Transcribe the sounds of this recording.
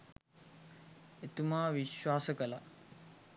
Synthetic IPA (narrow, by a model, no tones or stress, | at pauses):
et̪umaːʋiʃwaːsɐkɐla